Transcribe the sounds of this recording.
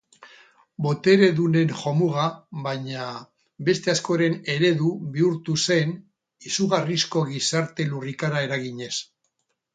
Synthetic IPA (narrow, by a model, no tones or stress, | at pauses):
bo̞t̪e̞ɾe̞ðune̞nxo̞muɣ̞aβaɲa | βe̞st̪e̞asko̞ɾe̞ne̞ɾe̞ðuβiuɾt̪use̞n | isuɣarisko̞ɣisaɾt̪e̞lurikaɾae̞ɾaɣiɲe̞s